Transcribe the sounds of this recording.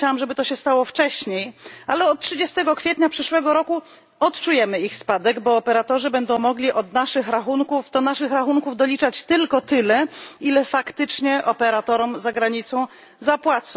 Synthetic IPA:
t͡ɕawamʐɛbɘt̪ɔɕɛst̪awɔft͡ʂɛɕɲejalɛɔt̪̚tʂɘd͡ʑɛst̪ɛɡɔkfʲjɛt̪ɲapʂɘʂwɛɡɔɾɔku | ɔt̪t͡ʂujɛmɘixspad̪ɛɡbɔːpɛɾat̪ɔʐɘbɛnd̪ɔ̃w̃mɔɡlʲiʔɔd̪naʂɘxɾaxunkuft̪ɔnaʂɘxɾaxuŋkuvd̪ɔlʲit͡ʂat͡ɕt̪ɘlkɔt̪ɘlɛilɛfakt̪ɘt͡ʂɲɛʔɔpɛɾat̪ɔɾɔmzaɡɾaɲit̪sɔ̃w̃ | zapwat̪sɔ̃

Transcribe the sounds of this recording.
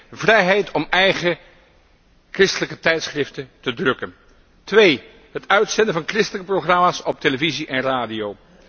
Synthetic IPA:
vrɛjɦɛjtʰɔmɛjχə | krɪstələkətɛjtsχrɪftətədrɵkən | tʋej | ɦətœɥtsɛndəvɑnkrɪstələkəproχrɑmaːsɔp̚teləviziʔɛnraːdijow

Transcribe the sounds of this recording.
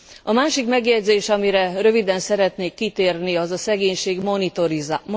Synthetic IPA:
ɒmaːʃikmɛɡjɛɟzeːʃɒmiɾɛrø̞vid̪ɛnsɛɾɛt̪neːkːit̪eːrniɒzɒsɛɡeːɲʃeːɡonit̪oɾi

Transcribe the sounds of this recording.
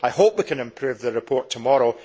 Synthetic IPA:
aɪhopwikʰə̃nɪ̃mpʰɹ̥ʉvðəɹɪpʰɔɹtʰəmɔɹo

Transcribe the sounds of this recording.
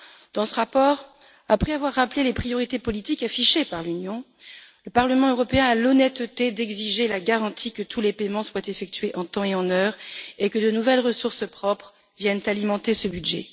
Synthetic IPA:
d̪ɑ̃səʁapɔːʁ | apχɛavwaʁːaplelepχijɔʁit̪epɔlit̪ikafiʃepaʁlynjɔ̃ | ləpaʁləmɑ̃øʁɔpeɛ̃alɔnɛt̪t̪ed̪ɛɡziʒelaɡaʁɑ̃t̪ʰikət̪ʰulepemɑ̃swat̪efɛk̚t̪ɥeʔɑ̃t̪ɑ̃eɑ̃nœːʁekəd̪ənuvɛlʁəsuʁsəpχɔpχ | vjɛnt̪alimɑ̃t̪esəbyd̪ʒɛ̰

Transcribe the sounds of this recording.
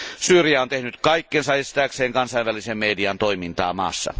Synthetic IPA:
syːrijæont̪ehnyt̪kɑikːensɑest̪æːkseːŋkɑnsɑˑiʋælisemmeːdiɑnt̪oimint̪ɑ̰ːmɑ̰ːsːɑ̰

